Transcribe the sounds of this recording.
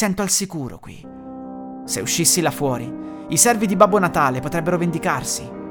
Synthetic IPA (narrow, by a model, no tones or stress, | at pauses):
sɛnt̪oalsikuːɾo̰kwḭ | sḛuʃːisːilafwɔːɾi | isɛrvid̪ibabːonat̪aːlepot̪ɾɛbːeɾovend̪ikarsi